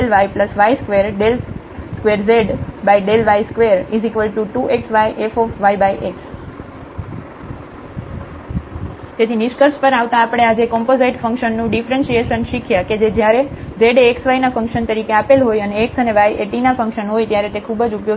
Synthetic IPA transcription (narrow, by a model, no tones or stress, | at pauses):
elʋajpləsʋajskʋeɾɖel | skʋeɾzeɖbaiɖelʋajskʋeɾizikʋəlʈuʈuʔeksʋajʔefofʋajbajʔeks | t̪et̪ʰinɪʃkəɾspəɾaʋt̪aːpɽ̃ead͡ʒekɔmpozeiʈfə̃ŋkʃənːũɖifɾẽnsieʃənʃikʰjaked͡ʒed͡ʒjaɾezeɖeksʋajnafə̃ŋkʃənt̪əɾikeapelɦojəneeksəneʋajeʈinafə̃ŋkʃənɦojt̪jaɾet̪ekʰubəd͡ʒupjo